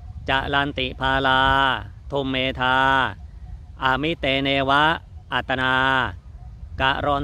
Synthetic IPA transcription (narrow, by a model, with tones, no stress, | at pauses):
t͡ɕa˨˩ʔla˧nt̪i˨˩pʰaː˧laː˧t̪ʰu˧mːeː˧t̪ʰaː˧ | ʔa˨˩mi˦˥t̪eː˧neː˧wa˦˥ʔa˨˩t̪ːa˧naː˧ | ka˨˩ʔɾɔ˧n